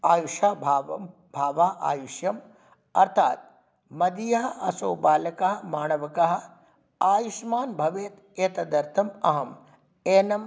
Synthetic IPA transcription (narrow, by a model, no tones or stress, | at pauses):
aːjuʃaːbʱaːʋɐ | bʱaːʋaːʔa̰ːjuʃjɐm | ɐɾt̪ʰaːt̪̚ | mɐd̪ijaɦɐɐsoːbaːlɐkɐɦɐmaːɳɐʋɐkɐɦɐ̆ | aːjuʃmaːnbʱɐʋeːt̪ | eːt̪ɐd̪ɐɾt̪ʰɐmɐɦɐm | eːnɐm